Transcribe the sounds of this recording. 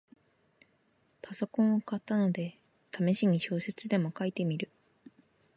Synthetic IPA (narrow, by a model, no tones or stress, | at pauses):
paso̞kõ̞ɰ̃okat̪ːano̞d̪e̞ | t̪ʰame̞ɕiɲ̟iɕo̞ːse̞t͡sɨd̪e̞mo̞kait̪e̞mʲiɾɯ̟